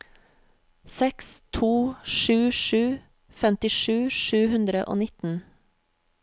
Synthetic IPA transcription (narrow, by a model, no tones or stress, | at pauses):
sɛkst̪ʰuːʃʉːʃʉː | fɛmt̪ɪʃʉːʃʉːhʉnd̪ɾəʔo̰ːnɪt̪n̩